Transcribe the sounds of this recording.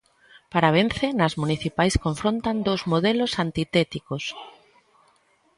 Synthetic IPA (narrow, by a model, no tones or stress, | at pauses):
paɾaβen̟θenazmuniθipajskoɱfɾõnt̪and̪owzmoðelosant̪it̪ɛt̪ikos